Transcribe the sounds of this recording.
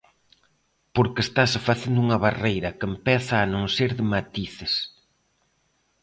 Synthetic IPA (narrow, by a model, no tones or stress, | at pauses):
poɾkest̪asfaθend̪ʊuŋɐβarejɾɐkempɛθaːnõŋseɾðɪmat̪iθɪs